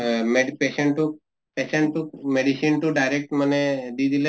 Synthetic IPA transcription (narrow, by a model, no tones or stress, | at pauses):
meɖpeseɳʈu | peseɳʈumeɖisinʈuɖajɾek̚ʈməned̪id̪ʱile